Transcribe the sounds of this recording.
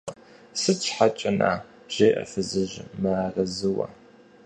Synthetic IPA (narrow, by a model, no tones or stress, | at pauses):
sɨt͡ʃʰħat͡ʃʼɐnʔa̰ː | ʒ̥ejʔɐ̰fɨzɨʒmɨaːrɐzɨwɐ̰